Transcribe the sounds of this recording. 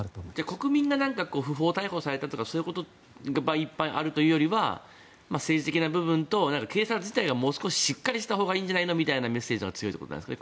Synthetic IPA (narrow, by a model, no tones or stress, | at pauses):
d͡ʑako̞kɯ̟mʲĩŋɡanãŋkakoːɸɯ̟ɦo̞ːt̪aiho̞saɾe̞t̪at̪o̞kaso̞ːjɯ̟ko̞t̪o̞ | ɡabaipːãʔa̰ɾɯ̟t̪o̞jɯ̟ːjo̞ɾʲiβa̰ | mase̞ːʑit̪ekʲinabɯ̟bɯ̟̃nt̪o̞nãŋkake̞ːsat͡sɨʑi̥t̪aiɡamo̞ːsɨ̥ko̞ɕi̥ɕikːaɾʲiɕi̥t̪aɦo̞ːɡaĩːɲ̟d͡ʑanaino̞mʲit̪ainame̞sːe̞ːʑiaɡat͡sɨjot̪ːeot̪on̰d̪skae